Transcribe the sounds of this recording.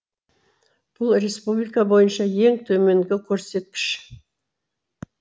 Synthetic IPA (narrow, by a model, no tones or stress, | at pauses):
b̥ʊlˠɾe̞spublijkabo̞jənʃɑje̞ŋt̪ʰɵme̞ŋɡʲɪkʲʰɵɾse̞t̪̚kʲɪ̥ʃ